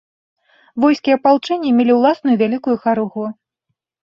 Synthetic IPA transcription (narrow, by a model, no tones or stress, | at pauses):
vɔjskʲiɐpalˠt͡ʂɛnʲːimʲelʲiwlˠasnujuvʲalʲikujuxaɾuɣu